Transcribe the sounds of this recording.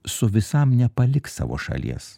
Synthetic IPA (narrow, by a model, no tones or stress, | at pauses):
sʊʋʲɪsɐmnʲɛpɐlʲɪksɑ̰ːʋo̰ːʃɐ̰lʲḭɛs